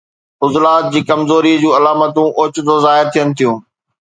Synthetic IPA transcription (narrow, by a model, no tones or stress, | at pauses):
ʊzlaːt̪̚d͡ʑiːkɐmzoːɾid͡ʑũːɐlaːmət̪ũʔoːt͡ɕʊt̪ʰozaːɪɾt̪ʰijənɪ̆t̪ʰijũː